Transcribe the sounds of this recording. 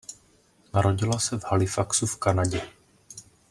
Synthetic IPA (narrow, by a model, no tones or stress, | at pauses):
naɾo̞ɟɪlasɛvhalɪfaksufkanaɟɛ